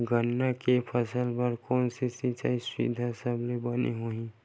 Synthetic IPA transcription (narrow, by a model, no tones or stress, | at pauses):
ɡənːakepʰəsəlbəɾkɔːnsisit͡ʃaːiswḭd̪ʱasəblebənḭɦoĩ